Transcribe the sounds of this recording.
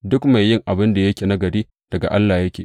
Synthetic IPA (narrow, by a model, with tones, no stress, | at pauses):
dʊ˦kma˨jːɪ˦ŋʔa˨bɪ˦nda˨jɐ˦kʲeː˨na˦ɡɐ˨ɽiː˦ | d̥ɐ˨ɡa̰˨ʔa˦lːaː˨jɐ˦kʲeː˨